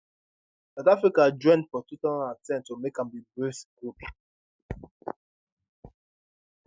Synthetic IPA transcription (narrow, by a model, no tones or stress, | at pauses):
saʊtafɹikad͡ʒɔ̃ɪ̃ndfɔtutɔ̃natɛ̃ntːumekãmbibɹesɡ̥up